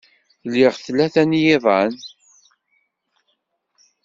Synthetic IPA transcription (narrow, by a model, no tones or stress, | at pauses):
lːɪʁθlːæθænjɪðˤɑn